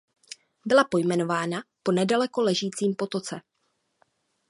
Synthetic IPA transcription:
bɪlapo̞jmɛno̞vaːnapo̞nɛdalɛko̞lɛʒiːt͡siːmpo̞t̪o̞t͡sɛ

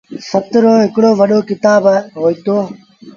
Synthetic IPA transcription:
sət̪ɾoːɦɪkɽoːʋəɗoːkɪt̪aːbɦoːiːt̪oː

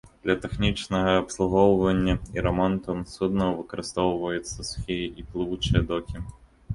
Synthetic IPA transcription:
d̪̥lʲɐt̪ɛxnʲit͡ʂnɐɣɐːpslˠuɣɔwvɐnʲːɐiɾɐmɔnt̪unsud̪nɐwvɨkɐɾɨst̪ɔwvɐjut̪sːɐsxʲijʔiplˠɨvut͡ʂɨjɐd̪ɔkʲi

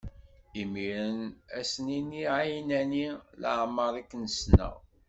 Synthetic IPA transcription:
imiɾənæsninːiajnænilə̰ʕməɾˤiknəsnə̰

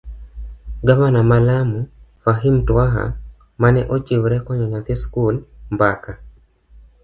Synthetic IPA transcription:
ɡavanamalamufaɦimtwaɦa̰ | manɛʔot͡ʃiwɾɛkɔɲɔɲat̪eskulmbaka

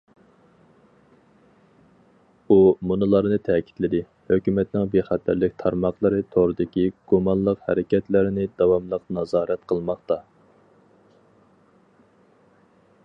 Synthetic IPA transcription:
umunɨlˠɑɾnɨt̪ʰɛkʲʰi̥t̪lɪd̪ɪ | høkʲymɛt̪nɪŋbeχæt̪ʰːæɾlɪkʲt̪ʰɑɾmɑχlˠəɾɨt̪ʰoʁɾɨd̪ɪkʲiɡ̥umɑnlˠəqhæ̰ɾɪkʲɛt̪lɪɾɪnɪd̪ɑwɑmlˠəqnɑzɑːɾɛt̪qʰəlˠmɑχt̪ɑ

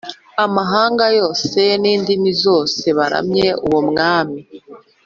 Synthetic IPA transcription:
amaɦaːŋɡajo̞ːseniːndimizo̞ːse̞βaɾa̰mɲe̞uwomŋaːmi

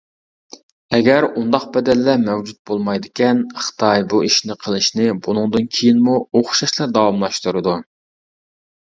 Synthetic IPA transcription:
ɛɡʲɛɾund̪ɑqbɛd̪ɛlːɛmɛwd͡ʒut̪̚bolˠmɑjd̪ɪkʲɛnχə̥t̪ʰɑjbuiʃnɪqʰəlˠɨʃnɪbunɨŋd̪ɨnkʲʰijinmuoχʃɑʃlˠɑd̪ɑwɑmlˠɑʃt̪uɾɨd̪u

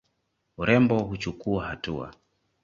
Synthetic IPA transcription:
uɾɛmbɔɦut͡ʃukuahatua̰

